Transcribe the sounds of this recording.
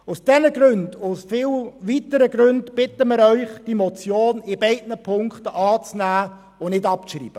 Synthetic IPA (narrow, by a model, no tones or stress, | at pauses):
ʊsd̥ɛnəɡɾʉndʊsfɪlʋitəɾəɡɾʉndb̥ɪtəmɪɾœʏχd̥imɔt͡sjoːnɪbɛɪdnəpʰʊŋkχtəʔɑːt͡snæː | ʊnɪdɑpʃrḭːb̥ə